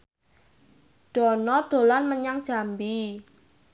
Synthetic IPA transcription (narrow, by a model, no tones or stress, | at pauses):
ɖ̥ɔ̤nɔɖ̪̥o̤lanməɲaŋd̥ʒ̥a̤mbi